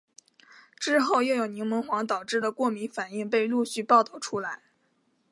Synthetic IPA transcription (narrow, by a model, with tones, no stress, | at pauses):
ʈ͡ʂɻ̩˥xo˥˩˧ʊjo˥˩ʊjo˨˩ʊni˧˥ŋmə˧˥ŋxwɑ˧˥ŋt̪ɑ˨˩ʊʈ͡ʂɻ̩˥˩də˩kwɔ˥˩mi˧˥ŋfa˨˩ni˥˧ŋp̬e˥˧ɪlu˥˧ɕy˥˧pɑ˥˧ʊt̪ɑ˥˩ʊʈ͡ʂʰu˥la˧˥ɪ